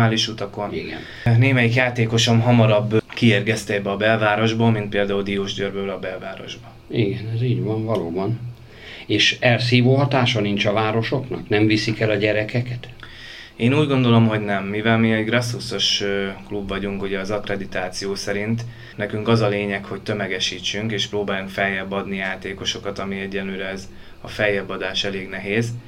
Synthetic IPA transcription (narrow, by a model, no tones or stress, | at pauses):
aːliʃut̪ɒko̞nḭɡɛ̰n | neːmɛjikjaːt̪eːko̞ʃo̞mɦɒmɒɾɒbːkieːrɡɛst̪ɛbɛɒbɛlvaːɾo̞ʒbɒmint̪peːld̪aːuld̪ijoːʒɟøːrbøːlɒbɛlvaːɾo̞̰ʒbɒ | iɡɛnɛziːɟʋɒɱvɒloːbɒn | eːʃɛls̬iːvoːɦɒt̪aːʃɒnint͡ʃɒvaːɾo̞ʃo̞knɒknɛmvisikɛlɒɟɛɾɛkɛkɛt̪ | eːnuːɟɡo̞nd̪o̞lo̞mɦo̞ɟnɛmːivɛlmiɛɟɡrɒsːuso̞ʃklubvɒɟuŋkuɟɛɒzɒkrɛd̪it̪aːt̪sijoːsɛɾint̪ | nɛkyŋkɒzɒleːɲɛkho̞c̚t̪ø̞mɛɡɛʃiːt͡ʃːyŋkeːʃproːbaːjuŋkfɛjːɛbːɒd̪nijaːt̪eːko̞ʃo̞kɒt̪ɒmiɛɟːɛnløːɾɛɛz | ɒfɛjːɛbːɒd̪aːʃɛleːɡnɛɦeːz